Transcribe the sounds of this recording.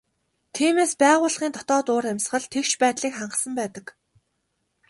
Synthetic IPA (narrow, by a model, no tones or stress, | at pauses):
t̪ʰiːmeːspæːʁʊːɮχiːnt̪ʰɔt̪ɔːt̪ʊːɾæmʲsχə̆ɮt̪ʰekʃpæːt̪ɮiːkχaɴɢə̆ɮsə̆mpæːt̪ə̆k